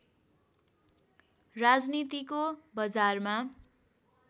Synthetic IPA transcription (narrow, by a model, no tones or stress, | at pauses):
rad͡znit̪ikobʌd͡zarma